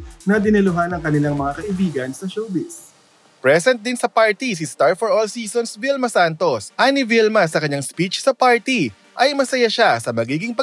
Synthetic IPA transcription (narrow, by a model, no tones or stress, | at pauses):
nɐd̪ɪnɪlʊɦanɐŋkɐnɪlaŋmɐŋakɐʔɪbiːɡɐnsɐʃowbɪs | pɹɛsɛnt̪̚d̪ɪnsɐpaɹt̪is̬ɪst̪aɹfɔɹʔolsiːsonsvilmɐsant̪o̞sʔanɪvilmɐs̬ɐkɐɲːaŋspit͡ʃsɐpaɹt̪i | ʔɐjmɐsɐjaʃasɐmɐɡiːɡɪŋpɐ